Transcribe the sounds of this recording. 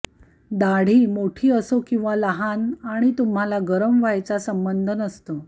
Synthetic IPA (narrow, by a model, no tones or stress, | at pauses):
d̪aɽ̤iːmoʈʰiːəsokĩw̃ʋaləɦanaɽ̃it̪um̤alaɡəɾəmʋajt͡sasəmbənd̪ʱənəst̪o